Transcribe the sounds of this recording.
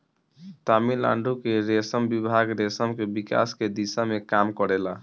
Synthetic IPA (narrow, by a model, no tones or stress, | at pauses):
t̪amila̰ɳɖʱukeɾesəmbibʱaɡɾesəmkebika̰sked̪isamekamkɔɾela